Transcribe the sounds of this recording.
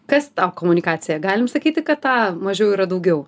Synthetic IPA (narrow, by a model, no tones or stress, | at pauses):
kɐst̪ɑːkoːmʊnʲɪkɑːsʲɪjɛɡɑːlʲɪmsɐkʲiːt̪ʲɪkɐt̪tɑːmɐʒʲɛʊiːɾɐd̪ɐʊɡʲɛʊ